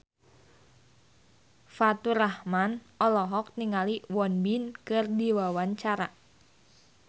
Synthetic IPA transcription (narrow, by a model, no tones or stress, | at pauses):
fat̪uɾahman | ɔlɔɦɔk̚niŋaliwɔnbinkɨrdiwawaɲt͡ʃaɾa